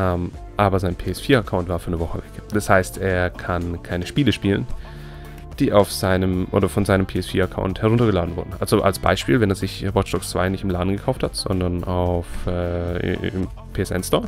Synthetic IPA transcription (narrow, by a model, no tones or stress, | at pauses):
ʔɛmʔaːbɐzaɪnpʰeːɛsfiːɐakʰaʊntv̥aːɐfyːɐnəvɔχəvɛkd̥ashaɪstʔeːɐkʰankʰaɪnəʃpiːləʃpiːlə̰n | d̥iːʔaʊfz̥aɪnəmʔo̰ːdɐfɔnzaɪnəmpʰeːɛsfiːɐakʰa̰ʊnthɛɐʁʊntɐɡəlaːdn̩vʊ̰ɐdn̩ʔa̰lzoʔa̰lsb̥a̰ɪʃpiːlvɛneːzɪçʁɔt͡ʃd̥ɔkt͡sv̥a̰ɪnɪçtɪmlaːdn̩ɡəkʰaʊfthatz̥ɔ̰ndɐɐnaʊfʔɛ̰ːɪ̰m | pʰeːɛsʔa̰ɪnsd̥ɔɐ